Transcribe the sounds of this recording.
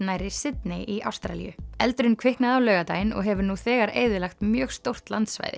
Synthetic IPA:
najɾɪsɪt̪̚nɪʔiʔa̰wst̪ɾa̰lḭjʏ̰ɛlt̪ɾʏnkʰvɪhknaðawlœːɣat̪aːjɪnɔ̰ɣɦɛvʏɾnuθɛːɣaɾeːjðʏlaxt̪mjœːɣst̪owr̥t̪lant̪sva̰jðɪ̰

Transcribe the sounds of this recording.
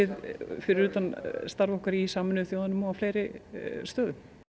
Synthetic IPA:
ɪðfɪɾɪɾyːt̪anst̪aɾvɔhkaɾisaːmʏnʏʏθjoːwðanʏmɔafleːjɾɪst̪œːðʏ

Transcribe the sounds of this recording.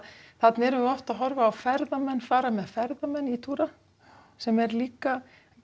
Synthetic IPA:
θat̪nɪɛɾʏvɔft̪aðɦɔɾvaːwfɛɾðamɛnːfaːɾamɛðfɛɾðamɛnːit̪ʰuːɾa | sɛmɛɾliːka

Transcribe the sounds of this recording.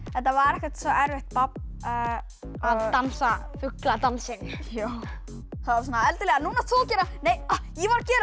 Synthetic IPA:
ɛntθavaɾɛhkat̪sɔʔɛɾvɪxt̪̚pap̚ː | aamsa | fʏklat̪ansɪnja | θaðsɔnːaɛlt̪əlɛɣanunat̪ɔlcɛːɾanejɔjivaɾcɛːɾ

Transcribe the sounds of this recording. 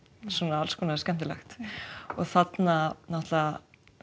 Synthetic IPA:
suɔnaalskʰɔnaskɛm̥t̪ɪlɛ̰xt̪ɔɣθat̪nanɔht̪la

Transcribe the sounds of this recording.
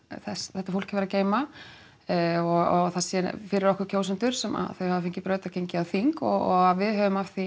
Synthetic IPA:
θɛsθɛht̪ːafowl̥kavɛɾaceːjma | ɔɣɔɣθasɛfɪɾɪɾɔhkʏɾcʰoːwsʏnt̪ʏɾ̥sɛma̰ðθœɥhavafɪŋcɪpɾœːt̪acʰejɲcɪaðθiŋkɔ̰ɣɔɣaðvɪðɦœvʏmafθi

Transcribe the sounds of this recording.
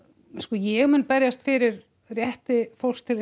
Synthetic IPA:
skɔjɛɣmʏnpɛɾjast̪fɪɾɪɾ | rjɛht̪ɪfowl̥st̪ʰɪl

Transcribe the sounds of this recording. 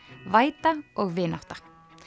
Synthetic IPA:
vaːjt̪aɔɣvɪːnaht̪ḁ

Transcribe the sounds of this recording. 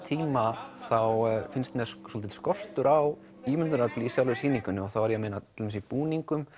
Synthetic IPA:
t̪ʰiːmaθawfɪnst̪mɛɾsɔːlt̪ɪt̪skɔr̥t̪ʏɾaw | iːmʏnt̪ʏnaɾpliːsjawlvɪɾsiːniŋkʏnːʏɔθavaɾjɛameːnat̪ʰɪlvɛs̬ɪipuːniŋkʏm

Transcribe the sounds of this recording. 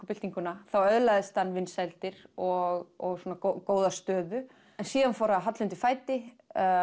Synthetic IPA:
kpɪlt̪iŋkʏnaθawœðlaðɪst̪hanːvɪnːsɛlt̪ɪɾɔɣɔɣsoːnakokoːwðast̪œːðʏ | ɛnsiːðanfowɾaɦat̪lʏnt̪ɪfaːjt̪ɪ

